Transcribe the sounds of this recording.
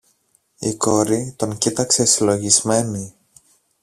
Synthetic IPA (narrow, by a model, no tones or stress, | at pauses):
iko̞ɾit̪o̞ŋcit̪ɐkse̞silo̞ʝizme̞ni